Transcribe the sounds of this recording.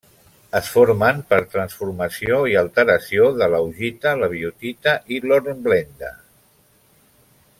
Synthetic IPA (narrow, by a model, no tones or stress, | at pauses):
əsfoɾmənpəɾt̪ɾənsfuɾməsioiəlˠt̪əɾəsioðələwʒit̪ələβ̞iut̪it̪əʔiloɾemblend̪ə̰